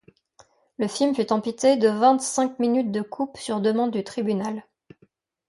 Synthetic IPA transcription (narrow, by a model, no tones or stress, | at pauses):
ləfilmfyt̪ɑ̃pit̪ed̪əvɛ̃t̪sɛ̃kminyt̪̚d̪əkʰupsyʁd̪əmɑ̃d̪ːyt̪χibynal